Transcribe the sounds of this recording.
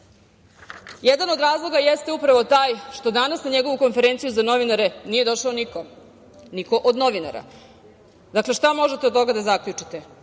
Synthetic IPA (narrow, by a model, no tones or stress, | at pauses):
jed̪ano̞d̪ɾaːzlˠo̞ɡajest̪eupɾaʋo̞t̪aːjʃt̪o̞d̪anasnaɲe̞ɡo̞ʋuko̞nfeɾe̞nt̪sijuzano̞ʋinaɾe̞nije̞d̪o̞ʃaoniko | niko̞ʔod̪no̞ʋina̰ɾa̰ | d̪akle̞ʃt̪amo̞ʒet̪ed̪̚t̪o̞ɡad̪azakʎut͡ʃit̪e